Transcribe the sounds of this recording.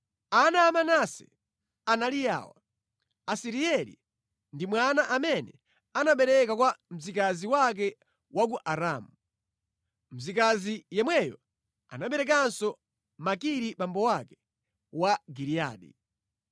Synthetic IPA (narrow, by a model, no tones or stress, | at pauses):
anaːmanasɛ̰ | analija̰ːwa̰ | asiɾiɛlḭ | ndimwanaʔamɛnɛ̰ | anaɓɛɾɛkakwam̩zikaziwak̬ɛ | wakuʔaɾamu | m̩zikazijɛmwɛjɔ̰ | a̰naɓɛɾɛk̬ansɔ | makiɾiɓambɔwakɛ̥ | waɡiɾia̰ːɗḭ